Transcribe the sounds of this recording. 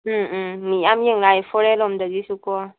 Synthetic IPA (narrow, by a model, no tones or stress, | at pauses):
miamjeŋlaifoɾɛlɔmdəɡisukɔ